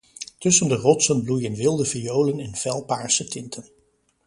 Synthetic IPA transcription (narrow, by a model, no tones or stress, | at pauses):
tɵsəndərɔtsənblujənʋɪlˠdəvijowlənɪnv̥ɛlˠpaːɹsətɪntʰən